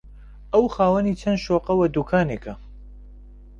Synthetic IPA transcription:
ʔɐwxaːwɐnit͡ʃʰɐnʃoːqɐwɐd̪ukʰaːneːkʰɐ

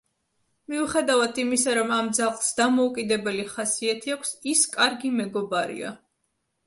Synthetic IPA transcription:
miuχɛd̪avad̪ʰimisaɾɔmamd̪zalsd̪amɔukʼid̪ɛbɛliχasiat̪ʰiakʷʰsiskʼaɾɡimɛɡɔbaɾḭa̰

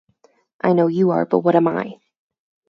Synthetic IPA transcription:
ʔaɪnoʊjɨə̰˞b̥ʌ̰t̚wʌɾɛ̃ma̰ɪ

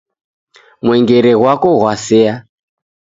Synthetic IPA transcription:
mwɛŋɡeɾeɣwakoɦwasɛa

